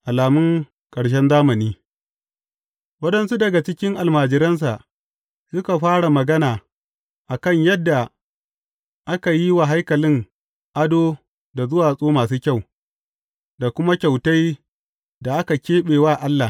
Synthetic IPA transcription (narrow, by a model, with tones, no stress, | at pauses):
ʔa˨laː˨mʊ˦ŋ | kʼɐ˨ɽʃ̬ɛ˦nzaː˦mɐ˨niː˦ | wɐ˦ɗɐ˨nsu˦dɐ˨ɡa˨t͡ʃɪ˦kʲɪ˦ŋʔa˨lmaː˨d͡ʒɪ˨ɾɐ˦ns̬a˨ʔ | sʊ˦ka˨ɸaː˦ɽa˨mɐ˨ɡɐ˦naː˨ | ʔa˨kɐ˦˨ɲjɐ˦dːa˨ | ʔa˦ka˨ji˦wa˨ɦa˦jkɐ˨lɪ˦ŋ | ʔa˦doː˦ | da˨zʊ˦waː˨sʼoː˦maː˨s̬uː˦kʲa˦˨w | da˨kʷʊ˦ma˦kʲa˨wta˦j | da˨ʔa˦ka˨kʲeː˦ɓeː˨waː˦˨ʔa˦lːa˨